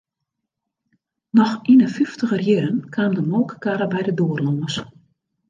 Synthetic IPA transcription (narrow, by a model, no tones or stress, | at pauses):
nɔxinəfyftəɣərjɪɾənkʰaːmdəmoːkəkaɾəbɛjdədoːərlɔːəs